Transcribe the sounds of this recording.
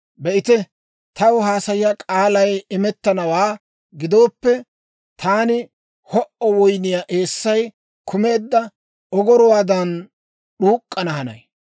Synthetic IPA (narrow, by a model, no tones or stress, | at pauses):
bɛʔɪt̪ɛ | t̪ɐwɦaːsɐjɪjakʼaːlɐjɪmɛt̪ːɐnɐwaː | ɡɪd̪o̞ːpːɛ | t̪ʰaːnɪ | hɔʔɔwɔjnɪjaːʔe̞ːsːɐj | kʰʊme̞ːd̪ːɐ | ɔɡɔɾɔwaːd̪ɐn | ɗuːkʼːɐnɐhɐnɐ̰j